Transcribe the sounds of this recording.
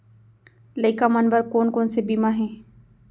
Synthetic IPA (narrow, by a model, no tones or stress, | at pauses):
ləɪkamənbəɾkoːnkoːnsebiːmaɦɛ̃ː